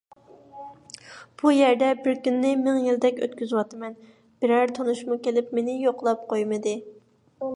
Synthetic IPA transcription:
b̥ujæɾd̪ɛbɪɾkʲynːɪmɪŋjild̪ɛkʲø̰t̪̚kʲyzwɑt̪ɨmɛn | b̥ɪɾæɾt̪ʰonuʃmukʲelɪpmenɪjoqlˠɑp̚qʰojmɨd̪ɨ

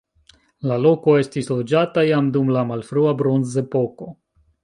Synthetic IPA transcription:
lalo̞ko̞e̞stislo̞d͡ʒatajamdumlamalfɾuabɾo̞nze̞po̞ko̞

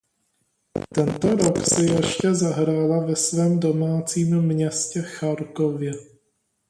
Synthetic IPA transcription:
t̪ɛnt̪o̞ɾo̞ksɛjɛʃcɛzaɦɾaːlavɛsvɛːmdo̞maːt͡siːmmɲɛscɛxaɾkovjɛ

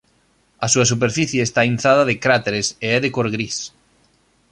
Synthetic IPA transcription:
ɐsuɐs̬up̬eɾfiθjeːst̪ainθaðɐðekɾat̪eɾeseɛðekoɾɣɾis

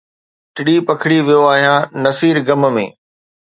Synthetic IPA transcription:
ʈɪɽipɐkʰɪɽiʋijoaːɦijãnɐsiːɾɡɐmmḛ̃ː

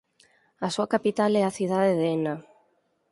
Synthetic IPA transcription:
asuakapit̪alɛaθiðaðeðena

